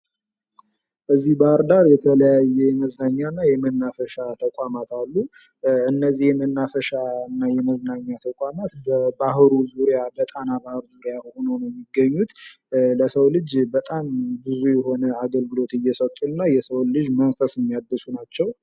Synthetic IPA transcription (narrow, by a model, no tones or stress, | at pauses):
ʔɨzːihbahɾd̪aɾjɛt̪ʰələjajːɛjɛməznaɲːanːajɛmənːafəʃat̪ʰəkʷʼamat̪alːu | ɨnːəzːihjɛmənːafəʃaɨnːajɛməznaɲːat̪ʰəkʼamat̪bəbaɦɾuzuɾijabət̪ʼanabahɨɾzuɾijahonəwnjɛmːiɡːəɲːut̪ | ləsəwlɨd͡ʒbət̪ʼambɨzujɛɦo̞nəaɡəlɡɨlo̞t̪ɨjːɛsət̪ʼunːajɛsəwlɨd͡ʒmənfəsjɛmːijad̪ːɨsunat͡ʃːɛw